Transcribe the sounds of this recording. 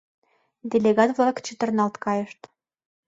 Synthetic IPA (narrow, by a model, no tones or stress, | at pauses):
d̪ʲelʲeɡɑt̪vlˠɑkt͡ɕə̆t̪ɤ̆rnɑlt̪kɑjə̆ʃt̪